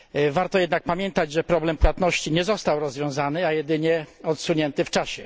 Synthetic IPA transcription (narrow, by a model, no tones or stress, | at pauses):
vaɾt̪ɔjɛd̪nak̚pamʲjɛnt̪ad͡ʑʐɛpɾɔblɛmpwat̪nɔɕt͡ɕiɲɛzɔst̪awɾɔzvʲjɔ̃w̃zanɘajɛd̪ɘɲɛɔt̪suɲɛnt̪ɘft͡ʂaɕɛ